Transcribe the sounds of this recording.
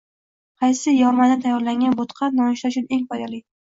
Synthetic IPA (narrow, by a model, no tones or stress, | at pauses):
qʰɑjsɪjɒmad̪ant̪ʰajːɒɾlaŋɡʲanbot̪qʰɑnɒnɪʃaʊt͡ʃʰʊne̞ŋfɒjd̪alɪ